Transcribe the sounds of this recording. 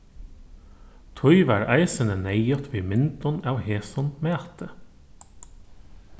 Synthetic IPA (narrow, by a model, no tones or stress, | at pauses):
t̪ʰɔʏʋæɹæɪsənəneɪɔt̪ʰʋiːmɪnt̪ɔnæːʊheːsɔnmeːt̪ʰə